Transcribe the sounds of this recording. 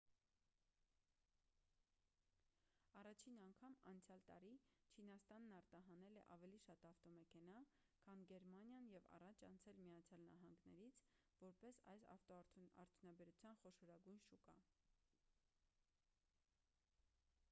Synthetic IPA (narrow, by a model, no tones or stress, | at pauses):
ɑrɑt͡ʃʰinɑŋkʰɑmɑ̰nt͡sʰjɑlt̪ɑ̰ɾit͡ʃʰinɑst̪ɑnːɑɾt̪ɑɦɑnɛlɛʔɑvɛliʃɑt̪ɑft̪ɔmɛkʰɛnɑ | kʰɑnɡɛɾmɑnjɑnjɛvɑ̰rɑt͡ʃʰɑ̰nt͡sʰɛlmiɑt͡sʰjɑlnɑ̰ɦɑŋɡnɛ̰ɾit͡sʰvɔɾpɛsɑjsɑfʰɑ̰ɾt̪ʰjunɑbɛɾut͡sʰjɑnχɔʃɔɾɑɡujnʃukɑ̰